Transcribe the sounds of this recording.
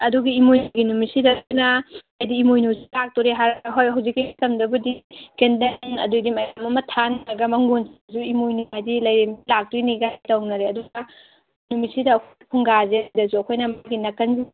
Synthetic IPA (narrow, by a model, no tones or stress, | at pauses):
ɐduɡiimojnuɡinumisidɐnɐajdiːmojnusi̥lak̚tɔɾeɦaɾɦojɦɐwzikːitɐmdɐbudikendɐnɐ̰dudimɐjamɐmɐtʰanɾɐɡɐmɐŋɡunszuimojnuajdilɐjɾemilak̚tuɡiniɡajtɐwnɐɾeɐduɡɐ | numisidɐːkʰjkʰuŋɡazedɐzuɐkʰojnɐmaɡinɐkɐnzi